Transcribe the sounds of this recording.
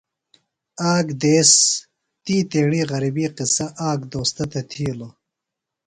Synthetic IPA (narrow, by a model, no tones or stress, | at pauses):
aːɡd̪eːs | t̪iːt̪eːɳiːɣɐɾibiːqɪsɐʔaːɡd̪oːst̪ɐt̪ɐt̪ʰiːlo